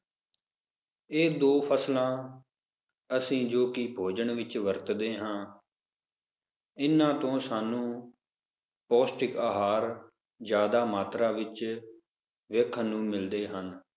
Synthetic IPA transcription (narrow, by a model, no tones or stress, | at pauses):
eːd̪oːpʰəslãː | əsĩːd͡ʒoːkɪbʰʱoːd͡ʒəɳʋɪt͡ʃʋəɾt̪d̪eːɦãː | ɪnːãːt̪õːsaːnũː | pɔːsʈɪkaːɦaːɾ | d͡ʒjaːd̪aːmaːt̪ɾaːʋɪt͡ʃ | ʋeːkʰːnũːmɪld̪eːɦən